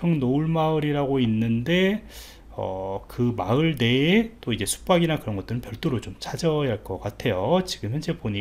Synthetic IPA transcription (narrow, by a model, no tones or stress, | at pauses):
ʌŋnoɯɭmaɯɾiɾaɡoinːɯnde̞ | ʌ̰kɯmaɯɭde̞t͈oid͡ʑe̞sʰu̥p͈aɡinakɯɾʌnɡʌt͈ɯɾɯnpjʌɭt͈oɾot͡ɕomt͡ɕad͡ʑʌjaɭk͈ʌk͈atʰe̞jot͡ɕiɡɯmjʌnd͡ʑe̞poɲi